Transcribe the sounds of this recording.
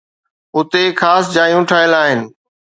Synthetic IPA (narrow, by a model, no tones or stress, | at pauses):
ʊt̪exaːsd͡ʑaːjũʈʰaːɪəlaːɦɪnɪ̆